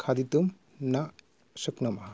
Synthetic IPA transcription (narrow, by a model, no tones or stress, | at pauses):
kʰad̪it̪um | na | suknɔma